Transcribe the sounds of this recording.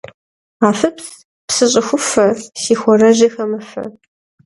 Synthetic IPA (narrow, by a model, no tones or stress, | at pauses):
aːfɨps | psɨɕʼɪxʷʊfɐsiːxʷɔrɐʑixɐmɐfɐ̰